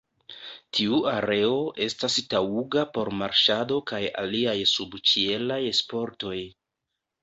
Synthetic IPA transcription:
tʰiuaɾe̞o̞ʔe̞stastauɡapo̞ɾmaɾʃado̞kaja̰liajsubt͡ʃie̞lajspo̞ɾto̞j

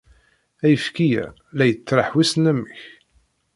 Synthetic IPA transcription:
æjəfkijæ̰ | læjət͡sːɾˤɑħwisnæmːəç

